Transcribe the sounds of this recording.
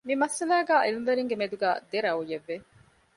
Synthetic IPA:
mimɐsɐlaːɡaːʔilimʋeɾiŋɡemed̪uɡaːd̪eɾaujeʋːe

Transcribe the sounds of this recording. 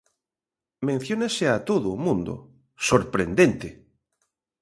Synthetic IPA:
mẽn̟θjonaseat̪oðʊːmũnd̪ʊ̰ | soɾpɾend̪ent̪e

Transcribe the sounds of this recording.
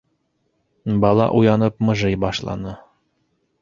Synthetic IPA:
bɑlˠɑ̰ʔujɑnɤp̚mɤ̆ʒɤjbɑʃlˠɑ̰nɤ

